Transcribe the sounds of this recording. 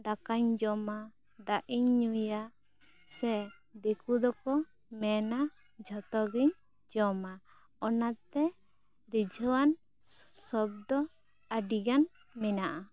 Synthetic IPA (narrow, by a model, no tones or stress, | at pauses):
d̪akaɲd͡ʒɔma | d̪aʔiɲɲuja | sɛ | d̪ɛkud̪ɔkɔ | mɛna | d͡ʒʱɔt̪ɔɡiɲ | d͡ʒɔma | ɔnat̪ɛ | ɾid͡ʒʱɔwan | sɔb̚d̪ɔ | aɖiɡan | mɛnaʔa